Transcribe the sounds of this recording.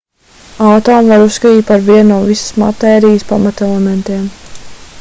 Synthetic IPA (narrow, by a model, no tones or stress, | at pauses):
awt̪ɔːmvaɾusskat̪iːt̪̚paɾviɛnuɔvisə̥sma̰t̪ɛːɾijəspa̰mat̪ɛlˠɛmɛnt̪iɛm